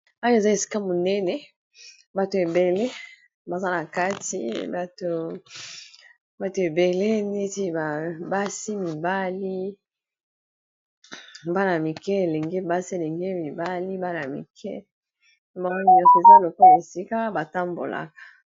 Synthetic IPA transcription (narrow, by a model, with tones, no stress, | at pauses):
o˦jo˦e˨za˦e˨si̥˦ka˦mo˨nɛ˦nɛ˨ | ba˨to˨e˨be˨le˦ | ba˨za˦na˨ka˦tḭ˨˦ba˨to˨ | ba˨to˨e˨be˨le˦ne˦ti˦ba˨ba˦si˦mi˨ba˦li˦ | ba˦na˨mi˨kɛ˦e˨le˨ŋɡe˦ba˦si˦e˨le˨ŋɡe˦mi˨ba˦li˦ba˦na˨mḭ˨kʰɛ̰˦ | ba˨ŋo˦bi˨jɔ˦sɔ˦˨e˨za˦lo˨kɔ˦la˨e˨si˦ka˦ba˨ta˦mbo̰˨la̰˨kḁ˨